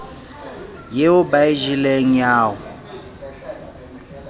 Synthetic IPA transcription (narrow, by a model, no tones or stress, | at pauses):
jeʊbaiʒileŋ̩jaːwʊ